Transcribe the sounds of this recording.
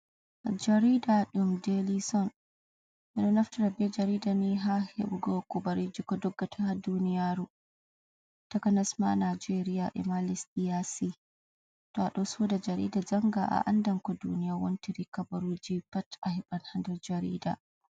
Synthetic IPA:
d͡ʒaɾidaɗumdelisɔn | ʔɛɗɔnaftaɾabɛd͡ʒaɾiːdaniɦahḛɓuɡɔkɔbaɾid͡ʒikɔdɔɡːatʰahaduːnijaɾu | takanasma̰nad͡ʒeɾijaʔɛ̰malisɗijasi | tɔaɗɔsudad͡ʒaɾḭːdad͡ʒaŋɡaʔa̰ʔa̰ndaŋkɔdunijawɔntiɾikabaɾud͡ʒipatahiɓanhandɔd͡ʒaɾḭda̰

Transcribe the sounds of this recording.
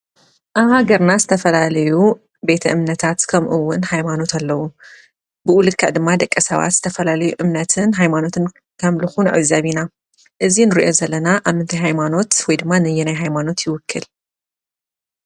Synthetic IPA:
ʔaβhaɡɐɾnazɨt̪ʰɐfɐlalɐju | be̞t̪ʰɐʔɨmnɐt̪ʰat̪kʰɐmʔɨwːʊnhajmano̞t̪ʰalːɐwu | bɨʔulɨd̪̚kʰaʕd̪ɨmːad̪ɐkʼːɐsɐ̰βa̰t̪z̥ɨ̥t̪ʰɐfɐlalɐjuʔɨmnɐt̪ʰɨnɦajmano̞t̪ʰɨn | kʰɐmlɨxunʕɨ̰zɐβina | ʔɨzinɨɾiʔo̞zɐlːɐnaʔaβmɨnt̪ʰajɦajmano̞t̪wɔjd̪ɨmːanɨjːɛnajɦajmano̞t̪jɪwʊkʰːɨl

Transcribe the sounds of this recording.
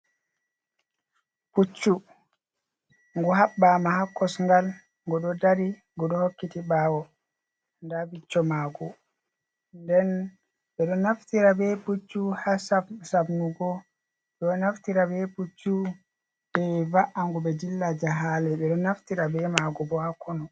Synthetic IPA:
put͡ʃːu | ŋɡɔɦaɓːamahakːɔsŋɡal | ŋɡɔɗɔdaɾi | ŋɡɔɗɔhokːitiɓaːwɔ | ndabit͡ʃːɔmaːɡɔ | ndɛn | ɓɛɗɔnaftiɾabɛput͡ʃːuhasasabnuɡɔ | ɗɔnaftiɾabɛput͡ʃːu | ɓɛvaʔaŋɡuɓɛd͡ʒilːad͡ʒaɦalɛɓɛɗɔnaftiɾabɛmaɡɔbɔhakʰːɔnɔ

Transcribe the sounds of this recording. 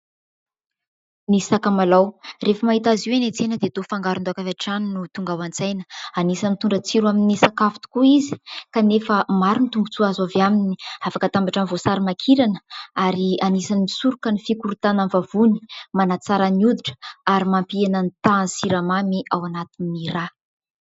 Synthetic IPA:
nisakamalawrefəmaɦit̪aziwenet͡senəd̪et̪ofaŋɡaɾund̪uakavaʈ͡ʂaninut̪uŋɡawant͡sajnə̥anisanit̪uɳɖ͡ʐət͡siɾwaminisakafi̥t̪u̥kuizi̥kanefəmaɾunit̪uŋɡut͡suazavaminiafakət̪ambaʈ͡ʂanvosaɾimakʰiɾanə̥aɾianisanimisuɾukənifikuɾut̪ananvavuni̥manat͡saɾaniud̪iʈ͡ʂə̥aɾimampiananit̪ansiɾamamiʔawanat̪inmira

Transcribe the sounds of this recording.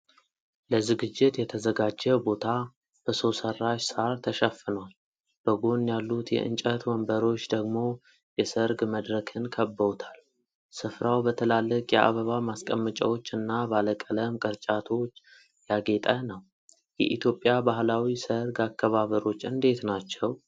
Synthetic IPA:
ləzɨɡɨd͡ʒːɪt̪jɛt̪ʰəzəɡad͡ʒːɛbo̞t̪ʰa | b̥əsowsərːaʃsaɾt̪ʰəʃəfːɨnwal | b̥əɡo̞njalːut̪jɛ̰ʔɨ̰nt͡ʃʼət̪wɔmbəɾo̞t͡ʃːd̪əɡmo̞ | jɛsəɾɡməd̪ɾəkʰɨnkʰəbːəwt̪ʰal | sɨfɾawbət̪ʰəlalːəkʼjɛ̰ʔa̰βəβamaskʼəmːət͡ʃʼə̰wo̞t͡ʃːɨnːabaləkʼələmkʼəɾt͡ʃʼat̪ʰo̞t͡ʃː | jaɡe̞t̪ʼənəw | jɛ̰ʔit̪ʰjo̞pʼːjabaɦlawisəɾɡakːəβaβəɾo̞t͡ʃːɨnd̪e̞t̪nat͡ʃːɛw

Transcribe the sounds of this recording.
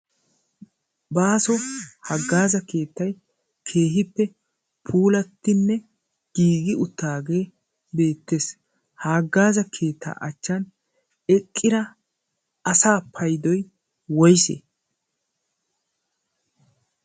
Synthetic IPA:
baːsɔhɐɡːaːzɐke̞ːt̪ːɐj | kʰe̞ːɦɪpːɛ | pʰuːlɐt̪ːɪnːɛ | ɡ̥iːɡɪʊt̪ːaːɡe̞ː | be̞ːt̪ːe̞ːs | haːɡːaːzɐkʰe̞ːt̪ːa̰ːʔɐt͡ʃːɐn | ɛkʼːɪɾɐ | ɐsaːpʰɐjd̪ɔj | wɔjsḛ

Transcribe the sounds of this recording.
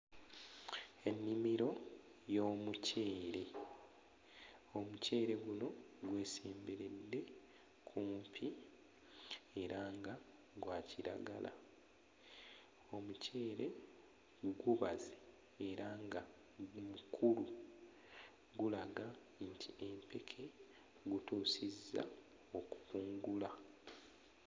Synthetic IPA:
e̞nːimiɾo̞ | jo̞ːmuce̞ːɾe̞ | o̞muce̞ːɾe̞ɡuno̞ɡwe̞ːseːmbeɾe̞dːe̞ | kʰumpʰi | e̞ɾaŋɡa | ɡwaːciɾa̰ɡa̰lʔa̰ | o̞mucʰe̞ːɾe̞ | ɡuβaze | eɾaŋɡa | mukʰulu | ɡulaɡa | ntʰiempe̞kʰe̞ | ɡutuːsizːa̰ | oku̥kuːŋɡula

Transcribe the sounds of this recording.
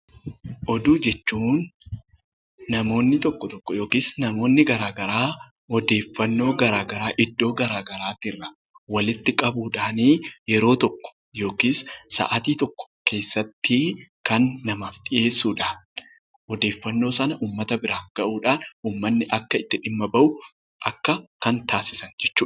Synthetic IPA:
ʔɔd̪uːd͡ʒɛt͡ʃːuːn | ɐmo̞ːnːɪt̪ɔkːɔt̪ɔkːɔjo̞ːkiːsnɐmo̞ːnːɪɡɐɾaːɡɐɾaː | ɔd̪e̞ːfːɐnːo̞ːɡɐɾaːɡɐɾaːʔɪd̪ːo̞ːɡɐɾaːɡɐɾaːt̪ɪrːɐ | wɐlɪt̪ːɪkʼɐbuːᶑaːniːjɛɾo̞ːt̪ɔkːɔ̥ | jo̞ːkiːsːa̰ːʔɐt̪iːt̪ɔkːɔ̥ke̞ːsːɐt̪ːikɐnːɐmaːft̪ʼɪʔe̞ːsːuːᶑaːn | ɔd̪e̞ːfːɐnːo̞ːsɐnɐʔuːmːɐt̪ɐbɪɾaːŋɡɐʔuːᶑaːnuːmːɐnːɪʔɐkːɐɪt̪ːɪᶑɪmːɐbɐʔʊ | ʔɐkːɐkɐnt̪aːsɪsɐnd͡ʒɛt͡ʃːuːᶑ

